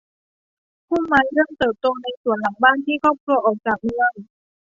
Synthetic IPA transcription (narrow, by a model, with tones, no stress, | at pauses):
pʰuː˥˩ma˧nɾɯ˥˩əŋt̪ɤː˨˩p̚t̪o˧ŋna˧jsu˨˩˦nla˨˩˦ŋbaː˥˩nt̪ʰiː˥˩kʰɔː˥˩p̚kʰlu˧ɐʔɔː˨˩k̚t͡ɕaː˨˩k̚mɯ˧əŋ